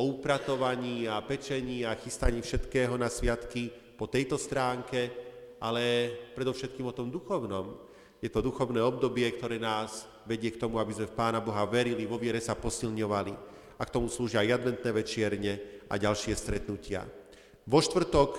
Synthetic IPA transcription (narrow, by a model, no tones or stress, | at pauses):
ɔupɾat̪ɔʋaɲiːapɛt͡ʃɛɲiːaxist̪aɲiːfʃɛt̪kɛːɦɔnasʋɪat̪ki | pɔt̪ɛjt̪ɔst̪ɾaːŋkɛʔalɛpɾɛd̪ɔʊʃɛt̪̚kiːmɔt̪ɔmd̪uxɔʊnɔm | jɛt̪ɔd̪uxɔʊnɛːɔb̚d̪ɔbɪɛkt̪ɔɾɛːnaːz | ʋɛɟɪɛkt̪ɔmuabizmɛfpaːnabɔɦaʋɛɾiliʋɔʋɪɛɾɛsapɔsilɲɔʋali | akt̪ɔmusluːʒɪajad̪ʋɛnt̪nɛːʋɛt͡ʃɪɛɾɲɛʔa̰ɟalʃɪɛst̪ɾɛt̪nucɪa̰ | ʋɔʃt̪ʋr̩t̪ɔk